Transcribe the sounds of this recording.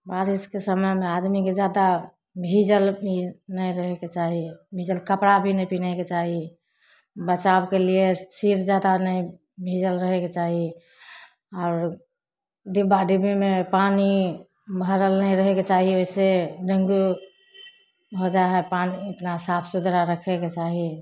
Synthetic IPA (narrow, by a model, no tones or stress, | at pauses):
baɾiskesəməjmead̪miked͡ʒjad̪a | bʱid͡ʒəlbʱinəjɾəɦɛket͡ʃaɦibʱid͡ʒəlkəpɾabʱinəipinaket͡ʃaɦi | bət͡ʃabkeliesiɾd͡ʒjad̪anəĩ | bʱid͡ʒəlɾəɦeket͡ʃaɦi | ɔʊɾ | ɖibaɖibimepani | bʱəɾəlnəjɾəɦɛket͡ʃaɦioiseɖə̃ŋɡu | ɦod͡ʒaɦɛpaniəpnasapʰsud̪ʱɾaɾəkʰɛket͡ʃaɦi